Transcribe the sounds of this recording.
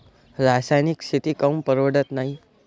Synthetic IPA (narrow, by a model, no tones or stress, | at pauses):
ɾasajniksʰit̪ikəmpəɾʋəɽət̪naɦi